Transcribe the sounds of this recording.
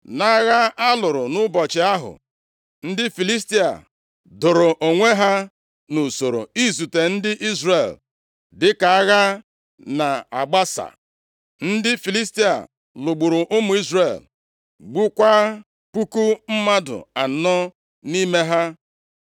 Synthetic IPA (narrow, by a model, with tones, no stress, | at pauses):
na˨˦ɣa˦a˦lʊ˨ɾʊ˨nʊ˦bɔ˨t͡ʃɪ˨a˦ɦʊ̰˨ | n̩˦dɪ˦fi˨li˦sti˦a̰˨ | dʊ˨ɾʊ˨ʔo˨ŋʷe˦ɦa˦ | nu˨so˨ɾo̰˨i˦zu˨te˨n̩˦dɪ˦ʔi˦zre˨l | dɪ˦ka˨a˦ɣa˦ | na˨a˨ɡ͡ba˦sa̰˨ | n̩˦dɪ˦fi˨li˦s̬ti˦a̰˨ | lʊ˨ɡ͡bu˨ɾʊ˨ʔʊ˦mʊ˨i˦zre˨l | ɡ͡bu˦kʷa˦ | pu˦ku˦m̩˦ma˦dʊ̰˨a˨n̩˨˦nɔ˦ | ni˦me˦ɦa˦